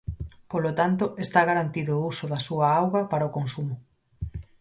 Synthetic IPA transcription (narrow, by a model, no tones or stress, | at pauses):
polot̪ant̪ʊʔest̪aɣaɾant̪iðʊusʊðasuaawɣɐpaɾaokonsumʊ